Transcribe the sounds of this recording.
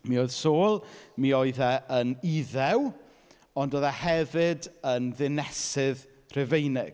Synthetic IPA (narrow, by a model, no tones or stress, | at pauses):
mioɨð̥soːlˠmioɨðɛəniðɛw | ɔndoːðahɛvɪdənðɪnɛsɪð | r̥ɛvejnɪɡ̥